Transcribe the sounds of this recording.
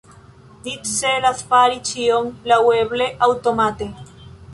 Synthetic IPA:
d̪itselaθpaɾit͡ʃioŋlaweβleʔawt̪omat̪e

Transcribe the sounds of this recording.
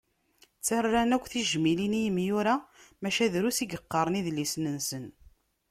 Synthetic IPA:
t͡sːærːænækʷːθiʒmilinijəmjuɾamæʃæðɾusiɡəqːɑɾˤəniðlisnənsən

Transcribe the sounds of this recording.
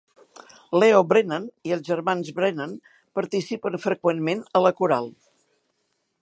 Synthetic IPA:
lɛobɾenaniəlˠzʒərmanzβɾenan | pəɾt̪isipənfɾəkwenmenələkuɾalˠ

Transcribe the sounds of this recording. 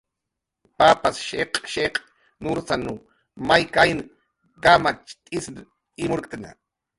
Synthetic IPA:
papasʃeqʼʃeqʼ | nuɾsanu | majkajn | kamat͡ʃt̪ʼɪsnʼ | ɪmʊɾkʼana̰

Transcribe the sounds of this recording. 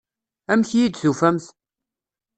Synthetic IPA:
æmçjid̪θufæmθ

